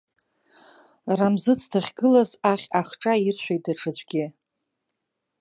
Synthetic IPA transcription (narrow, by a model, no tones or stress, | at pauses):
ramzɨt͡sʰtʰaχʲɡɨlazaχʲaχʈ͡ʂʼairt͡ʃʷʰᶣajdaʈ͡ʂʰɨd͡ʑʷʼɡʲɪ